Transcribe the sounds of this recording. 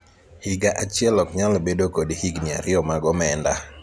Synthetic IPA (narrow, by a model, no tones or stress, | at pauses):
hiɡaʔat͡ʃjɛlɔkɲalbedokodhiɡnia̰ɾɪɔmaɡɔmɛnda